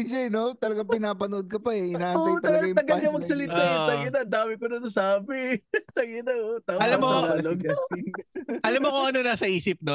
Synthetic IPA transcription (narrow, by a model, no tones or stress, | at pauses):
ɪʃɐnot̪ɐlɐɡɐŋpɪnaːpɐnʔod̪̚kɐpɐɛɪnaːt̪ɐjt̪ɐlɐɐɡɐjʊɐɡɐɐɐmɐɡ̚sɐlɪt̪at̪ɐɡɪnɐd̪aːmɪkonɐnɐsaːbɪt̪ɐɡɪnɐot̪aːɐlɐmːoaːloɡasiʔɐlɐmːokoʔɐnonaːsɐʔiːsɪp̚no